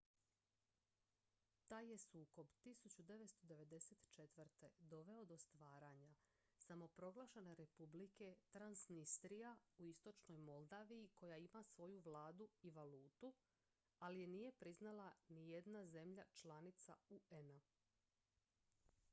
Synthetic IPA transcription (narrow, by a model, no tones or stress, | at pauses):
t̪aːje̞suːko̞bt̪isut͡ɕud̪e̞ʋest̪o̞d̪e̞ʋe̞d̪e̞se̞t̪t͡ʃe̞t̪ʋəɾt̪e̞d̪o̞ʋe̞o̞d̪o̞st̪ʋaːɾaɲa | samo̞pɾo̞ɡlˠaʃeneɾe̞publike̞t̪ɾansnist̪ɾijauist̪o̞t͡ʃno̞jmo̞lˠd̪aːʋijiko̞jaimasʋo̞juʋlaːd̪uiʋaluːt̪u | alije̞nije̞pɾiznalanije̞d̪naze̞mʎat͡ʃlanit̪sa̰uena